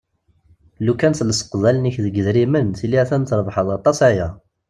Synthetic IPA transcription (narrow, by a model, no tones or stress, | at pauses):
lukænθləsə̥qðˤælniçðəɡəðɾimənθilːiæθænθɾˤvħəðˤɑt̪ˤːɑsajæ